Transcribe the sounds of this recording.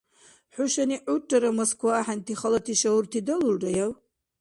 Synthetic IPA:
ħʊʃaniʔʊʈ͡ʂʼːaɾamoskʷʰwaːħantʰiχalatʰiʃaurtʰidɐlulrajaw

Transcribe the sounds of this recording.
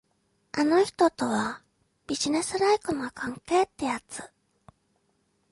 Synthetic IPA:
ano̞çi̥t̪o̞t̪o̞βa | b̥ʲiʑine̞sɨɾaikoŋakʰãŋke̞ːt̪ːejat͡sɨ̥

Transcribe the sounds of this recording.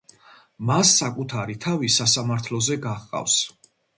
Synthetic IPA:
masːakʼut̪ʰaɾit̪ʰavisasamaɾt̪ʰlɔzɛɡaχqʼa̰fs

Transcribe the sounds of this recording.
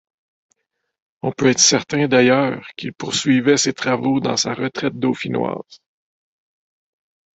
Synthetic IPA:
ɔ̃pøɛːt̪χsɛʁt̪ɛ̃d̪ajœːʁkʲilpʊʁsɥivɛset̪χavod̪ɑ̰̃saʁət̪ʁɛt̪̚d̪ofinwɑ̰ːz̥

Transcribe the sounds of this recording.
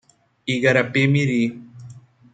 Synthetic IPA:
iɣaɾapemiɾi

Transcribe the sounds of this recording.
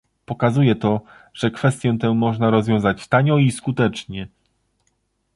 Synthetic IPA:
pɔkazujɛt̪ɔ | ʐ̥ɛkfɛst̪jɛ̃t̪ɛ̃mɔʐnaɾɔzvjɔ̃w̃zat͡ɕst̪aɲɔiskut̪ɛt͡ʂɲɛ

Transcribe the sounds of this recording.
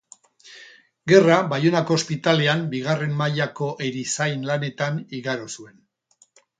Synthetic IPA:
ɡe̞rabajonako̞ːspit̪ale̞ambiɣ̞are̞mːajako̞ʔe̞ɾisajnlane̞t̪aniɣaɾosue̞n

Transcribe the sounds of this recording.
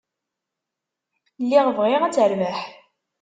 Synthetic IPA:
lːiʁvʁɪʁæt͡sːəɾvəħ

